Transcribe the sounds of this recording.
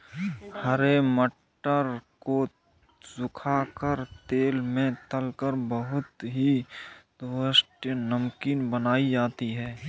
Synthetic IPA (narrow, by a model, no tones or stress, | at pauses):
həɾeməʈː | əɾko | sʊkʰaːkəɾt̪eːlmẽt̪əlkəɾbəɦʊt̪ɦid̪əsʈjənəmkiːnbənaːid͡ʒaːt̪iɦɛː